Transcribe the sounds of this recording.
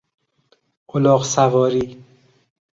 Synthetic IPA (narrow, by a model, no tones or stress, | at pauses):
ʔolɒːqsævɒːɾiː